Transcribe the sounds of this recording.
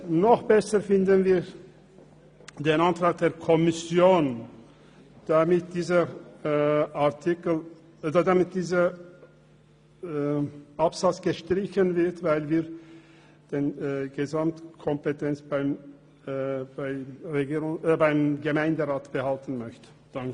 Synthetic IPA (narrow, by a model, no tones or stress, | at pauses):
nɔχb̥ɛsəfɪndənviː | d̥eːnantv̥at̚d̥eːɐkʰɔmɪsjoːn | d̥amɪt̚d̥iːzə | aɐtʰɪkl | dɐdamɪt̚d̥iːzə | ʔapz̥at͡sɡ̥əʃtʁ̥ɪçənvɪɐtvaɪlviː | d̥eːnɡəzamtkʰɔmpetʰɛnt͡sb̥aɪm | baɪʁeɡiːʁʊbaɪmɡəmaɪndəʁaːtb̥əhaltn̩mœçtənd̥aŋk